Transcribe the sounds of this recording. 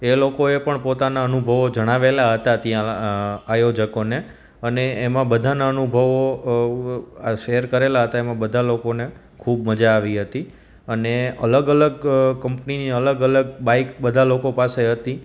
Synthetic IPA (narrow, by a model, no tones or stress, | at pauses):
elokoepəɳpot̪anaənubʱəʋod͡ʒəɽ̃aʋelaɦət̪at̪jãajod͡ʒəkone | əneːmãbəd̪ʱanaənubʱəʋo | ʃeəɾkəɾelaɦət̪aemãbəd̪ʱalokone | kʰubməd͡ʒaːʋiɦət̪i | əneələɡələɡ̚kəmpniniələɡələɡbaikbəd̪ʱalokopaseɦət̪i